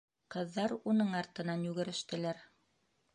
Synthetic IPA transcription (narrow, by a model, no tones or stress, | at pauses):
qɤ̆ðːɑɾunɤɴɑɾt̪ɤ̆nɑnjʉɣɘ̆ɾɘ̆ʃt̪ɘ̆læɾ